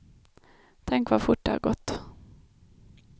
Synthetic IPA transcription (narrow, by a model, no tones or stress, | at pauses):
t̪ʰɛŋkvafʊʈd̪ə̰ha̰ɾɡɔt̪ː